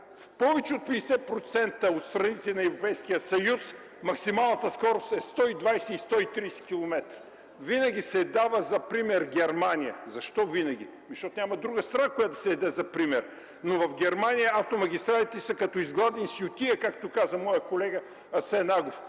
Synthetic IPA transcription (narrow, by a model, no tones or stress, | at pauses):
fpɔvɛt͡ʃɛot̪̚pɛɛsɛpɾot̪sɛnt̪əot̪st̪ɾɐnit̪ɛnɐɛvɾopɛjskijəsɐjus | mɐksimalˠnət̪əskɔɾost̪ɛst̪ɔid̪vajsɛist̪ɔit̪ɾijsɛ̥kʲilˠomɛt̪ɾi | vinɐɡ̟isɛd̪avəzɐpɾimɛɾɡʲɛɾmanijəzɐʃt̪ɔvinɐɡ̟ḭ | miʃt̪ɔt̪nʲamɐd̪ɾuɡəst̪ɾɐakojad̪ɐsɛːd̪ɛzɐpɾimɛɾ | novɐfɡʲɛɾmanʲijəaft̪omɐɡ̟ʲist̪ɾalʲit̪ɛsɐkɐt̪ɔizɡlˠad̪ɛnsjʊt̪ʲiəkak̚t̪okazəmɔjəkolɛɡə | ɐsɛnaɡof